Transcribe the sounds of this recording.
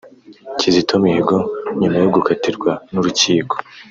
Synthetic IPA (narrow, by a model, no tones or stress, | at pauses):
cizitʰomihiɡoɲumajoɡukʰatiɾɡwanuɾuciːko̥